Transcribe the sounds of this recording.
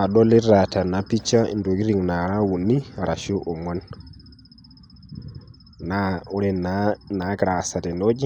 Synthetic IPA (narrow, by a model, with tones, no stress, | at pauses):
a˨ɗɔ˦li˦ɾa˨ta˨na˨pi˦t͡ʃa˦ḭ˨ndo˨ɡi˦ɾi˨ŋna˨ɾa˦wu˨ni˦˨ɾa˨ʃu˦ʔo˨ŋɔ˦n | na˦u˦ɾɛ˦˨na˦na˨˦ɡɾa˨sa˨tɛ˨no˦d͡ʒi˦